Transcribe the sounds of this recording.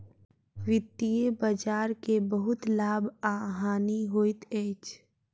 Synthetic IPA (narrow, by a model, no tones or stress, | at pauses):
ʋɪt̪ːijebad͡ʒaːɾkebəɦʊt̪laːbaːɦaːniɦoːit̪ɛːt͡ʃ